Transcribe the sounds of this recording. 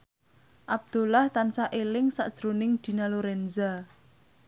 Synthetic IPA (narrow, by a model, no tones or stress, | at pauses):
ʔab̚d̪̥o̤laht̪ansaʔelɪŋsa̰ʔd̥ʒ̥ɾonɪŋd̪̥i̤naloɾɛnza